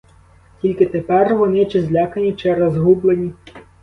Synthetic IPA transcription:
tʲilʲkɪt̪epɛrʋɔnɪt͡ʃɪzʲlʲakɐnʲit͡ʃɛɾɐzɦublˠenʲi

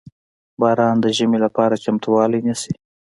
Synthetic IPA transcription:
bɑːɾɑnd̪əʒəmelapɑɾat͡ʃamt̪uwɑlijnisi

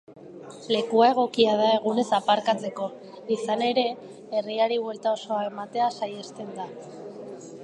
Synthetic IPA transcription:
le̞kuae̞ɣ̞o̞kiað̞ae̞ɣ̞une̞sapaɾkat͡se̞ko̞ | isane̞ɾe̞ː | riaɾiβwe̞lt̪ao̞so̞ae̞mat̪e̞asajest̪e̞nd̪a

